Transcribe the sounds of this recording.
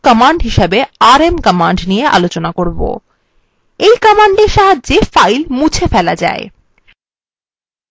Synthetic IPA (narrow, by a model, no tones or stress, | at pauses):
kɔmaɳɖɦiʃebeaɾemkɔmaɳɖnijeʔa̰lot͡ɕonakoɾbo̰ | ejkɔmaɳɖeɾʃaɦadːefajlmut͡ɕʰefɛlad͡ʑa̰e